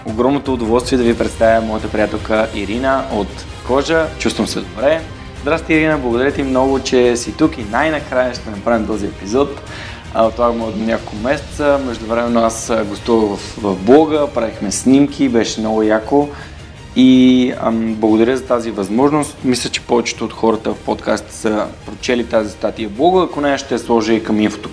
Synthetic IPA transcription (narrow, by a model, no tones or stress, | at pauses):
oɡɾɔmnot̪oːd̪ovɔlˠst̪viɛd̪ɐvipɾɛt̪st̪avʲjəmɔjət̪əpɾʲijat̪ɛlˠkəʔiɾinəʔot̪ | kɔʒət͡ʃust̪vəmsɛd̪obɾɛ | zd̪ɾast̪ɛiɾinəblˠɐɡod̪ɐɾʲjət̪ɛimnɔɡʊt͡ʃɛsit̪ukinajnɐkɾajəʃt̪ɛnɐpɾavʲimt̪ɔziɛpizɔt̪ | t̪ːovaɡmot̪nʲakolˠkomɛsɛ̥t̪səmɛʒd̪ʊvɾɛmɛnːoasɡost̪uvəɣvɐfvɐvblˠɔɡəpɾavixmɛsnʲimkʰʲibɛʃɛmnɔɡʊjako | i | blˠəɡod̪ɐɾʲjəzɐt̪azivɐzmɔʒnost̪mislʲət͡ʃɛ̥pɔvɛt͡ʃɛ̥t̪oːt̪xɔɾət̪əfpot̪kast̪i̥səpɾot͡ʃɛlit̪azist̪at̪iəblˠɔɡəːkonɛəʃt̪ɛslˠɔʒikɐminfo̥t̪o̥